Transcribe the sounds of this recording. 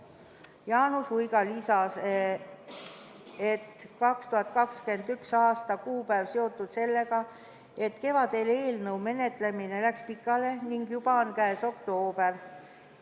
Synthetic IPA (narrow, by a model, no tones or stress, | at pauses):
jɑːnusujɡ̥ɑlisɑs | et̪kɑkst̪uhɑt̪̚kɑkske̞nd̪yksɑːst̪ɑkuːpæːvseo̞t̪ːˑud̪̥se̞lːe̞ɡ̥ɑ | e̞t̪ːke̞vɑd̪e̞le̞ːlnɤwme̞ne̞t̪ˑle̞mine̞lækspikːˑɑle̞niŋɡjub̥ɑonkæeso̞kt̪o̞ːb̥el